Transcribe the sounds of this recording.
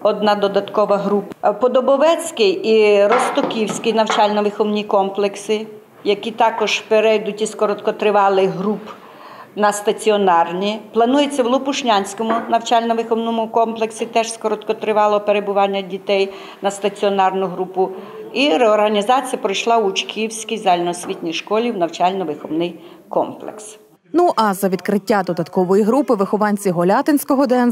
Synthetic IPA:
ɔd̪nɑd̪ɔd̪ɐt̪kɔʋɐɦɾuppɔd̪ɔbɔʋɛt͡sʲkɪjiɾɔst̪ɔkʲiwsʲkɪjnɐwt͡ʃɑlʲnɔʋɪxɔwnʲikɔmplˠeksɪ | jɐkʲit̪ɑkɔʒ̥peɾɛjd̪ʊtʲiskɔɾɔt̪kɔt̪ɾɪʋɑlˠɪɦɾup | nɐst̪ɐt͡sʲiɔnɑrnʲiplˠɐnujet͡sʲːɐwlˠʊpʊʃnʲanʲsʲkɔmʊnɐwt͡ʃɑlʲnɔʋɪxɔwnɔmʊkɔmplˠeksʲit̪ɛʒskɔɾɔt̪kɔt̪ɾɪʋɑlˠɔpeɾebʊʋɑnʲːɐdʲit̪ɛj | nɐst̪ɐt͡sʲiɔnɑrnʊɦɾupʊ | iɾeɔrɦɐnʲizɑt͡sʲijɐpɾɔjʃlˠɑʊt͡ʃkʲʰiwsʲkʲijzɑlʲnɔsʲʋʲitʲnʲijʃkɔlʲiwnɐwt͡ʃɑlʲnɔʋɪxɔwnɪjkɔ̰mplˠḛks | nuʔɐzɐʋʲid̪kɾɪtʲːad̪ɔd̪ɐt̪kɔʋɔjiɦɾupɪʋɪxɔʋɑnʲt͡sʲiɦɔlʲɑt̪ɪnʲsʲkɔɦɔd̪ɛn

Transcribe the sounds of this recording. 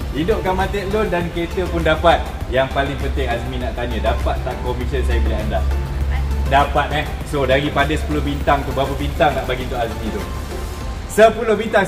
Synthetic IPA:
idʊp̚kanmat̪ɛʔlʊndankəet̪əpʊndapat̪̚jaŋpalɪŋpənt̪ɪŋasmĩnaʔt̪aɲə̃dapat̪̚t̪aŋkɔmisənsajabilaɦandaʔ | dapat̪̚nɛsodaɾipadəsə̥pulobint̪aŋt̪ubapabint̪aŋt̪aʔbaɡint̪ʊʔazmĩt̪ʊ | səpulohbint̪aŋ

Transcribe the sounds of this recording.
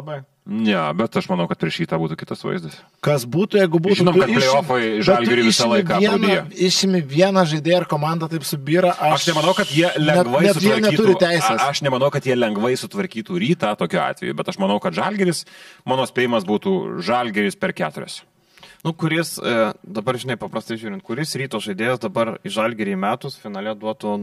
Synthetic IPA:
ɐbɐɪ | nʲɛbʲɛt̪ɐʃmɐnɐʊkɐt̪̚pʲɾʲiɛʃɾʲiːt̪aːbuːt̪uːkʲɪ̥t̪ɐsʋɐ̰ɪzd̪ɐs | kɐsbuːt̪ʊjɛɪɡʊbuʒːt̪ːnomkɐtɪɾʲoːfojʒɐlʲɡʲɛɾʲuːʋɪʃsɑlˠɐɪkɑiɛndɐiːjoːɪʃʲɪmʲɪʋʲiɛnɐʒɐɪd̪ʲeːjɛɪrkoːmɑnd̪ɐt̪ɐɪpsʊbʲiːɾɐʔɐɐʃnʲɛmɐnɐʊkɐt̪jiɛlʲɛnʲɛɡʋɐnsʊjiɛnʲɛtiːt̪ʊɾʲɪt̪ʲæɪsʲeːsɐʃnʲɛmɐnɐʊkɐt̪jiɛlʲɛŋɡʋɐɪsʊt̪ʋɐɾʲkʲiːt̪uːɾʲiːt̪ɑːt̪oːkʲuɑ̰ːt̪ʲʋʲɛ̰jubʲɛt̪ɐʃmɐnɐʊkɐt̪ʒɑlʲɡʲɛɾʲɪsmɑːnoːsʲpʲeːjɪmɐsbuːt̪uːʒɑlʲɡʲɛɾʲɪspʲɛrkʲæːt̪ʊɾʲo̰ːsʲ | nʊkʊɾʲɪsd̪ɐbɐrʒʲɪnɐɪpɐpɾɐst̪ɐɪʒʲuːɾʲɪnt̪kʊɾʲɪsɾʲiːt̪oːsʒɐɪd̪ʲeːjɛsd̪ɐbɐrɪʒɐlʲɡʲɛɾʲɪːmʲæːt̪ʊsfʲɪnɑːlʲɛd̪uɔt̪on

